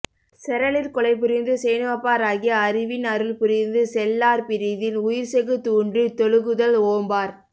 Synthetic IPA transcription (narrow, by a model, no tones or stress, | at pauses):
sɛɾɐɭɪɾkɔɭɐɪp̬ʊɾɪnd̪ɯsɛjnɯʋɐpːaːɾaːɣɪjɐɐɾɪʋɪnɐɾɯlpʊɾɪnd̪ɯsɛlːaːɾpɪɾɪðɪnʊjɪɾsɛɣɯt̪uːɳɖɯt̪ɔɻɯɣɯðɐloːmbaːɾ